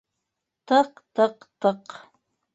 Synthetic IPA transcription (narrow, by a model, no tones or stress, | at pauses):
t̪əqt̪əqt̪əq